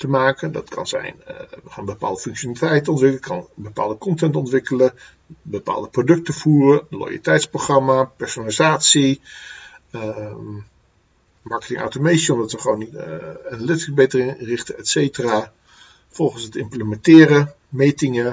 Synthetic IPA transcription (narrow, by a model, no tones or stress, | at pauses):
təmaːkəndɑ̰tkʰɑ̰nzɛ̰jnʋəχaːnbəpa̰ːlˠdəfɵŋkʃonalitɛjtɔntʋɪkləkʰɑ̰nbəpa̰ːlˠdəkɔntɛntɔntʋɪkələ | bəpa̰ːlˠdəprodɵk̚təfuːrəlo̰jə̰litɛjtsproχrɑmapɛɹsonalizaːtsi | mɑɹkətɪ̰̃ŋʔa̰wtomejtsəɔmdɑtʋəχʋownianalɪtɪəbejtərɪŋrɪχtəɛtsejtəraː | fɔlˠχənsətɪmpləmɛntɪːɾə | mejtɪŋə